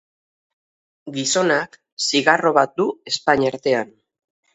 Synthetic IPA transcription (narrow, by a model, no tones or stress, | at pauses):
ɡiso̞nak | siɣaro̞βat̪̚d̪ue̞spaɲaɾt̪e̞an